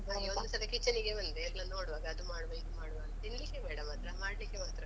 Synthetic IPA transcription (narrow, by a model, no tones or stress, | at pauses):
aond̪usɐlɐkit͡ʃːɐniɡemɐnd̪eɾnɐnoːɽʋaːɡɐːd̪umaːɽʋeid̪umaːɽʋaːɡɐt̪inlikːebɛːɽɐmaːt̪ɾɐmaːɽlikːemaːt̪ɾɐ